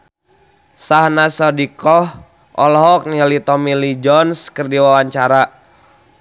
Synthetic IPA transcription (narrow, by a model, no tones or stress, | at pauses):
sahnasɔdikɔh | ʔɔlɔɦɔk̚nialit̪ɔmilid͡ʒɔnskərdiwawaɲt͡ʃaɾa